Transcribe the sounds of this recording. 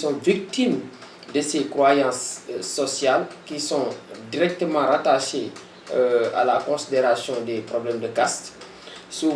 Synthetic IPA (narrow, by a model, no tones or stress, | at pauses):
sɔ̃vik̚t̪im | d̪əsekʁwajɑ̃sːɔsjalkisɔ̃d̪iɾɛk̚t̪əmɑ̃ɾat̪aʃe | a̰lakɔ̃sid̪eɾasjɔ̃d̪epɾɔblɛmd̪əkast̪ | su